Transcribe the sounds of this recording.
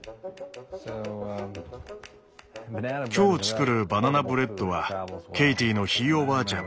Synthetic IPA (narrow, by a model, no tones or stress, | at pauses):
o | kʲo̞ːt͡sɨ̥kɯ̟ɾɯ̟bananabɯ̟ɾe̞t̪ːo̞βakʲe̞it̪iːno̞çiːo̞baːt͡ɕãŋ